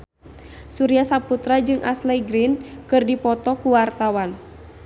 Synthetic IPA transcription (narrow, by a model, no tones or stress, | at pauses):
suɾiasaput̪ɾad͡ʒɨŋʔa̰slɛjɡɾinkɨrdipɔt̪ɔkuwart̪awan